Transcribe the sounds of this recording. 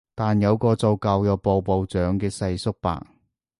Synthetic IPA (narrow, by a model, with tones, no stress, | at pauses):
t̪aː˨njɐ˨˧wkɔː˧t͡so˨˧wkɐ˨˧wjɐ˨˧wpo˨˧wpo˨˧wt͡ʃœː˨˥ŋkɛː˧sɐ˧jsʊ˥k̚pa̰ː˨˩ŋ